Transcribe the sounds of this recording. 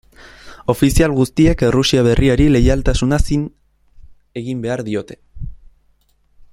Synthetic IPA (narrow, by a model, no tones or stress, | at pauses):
o̞fisialɣust̪ie̞krusiaβ̞e̞rʔiaɾile̞jalt̪asunasin | e̞ɣimbe̞aɾðio̞t̪e̞̥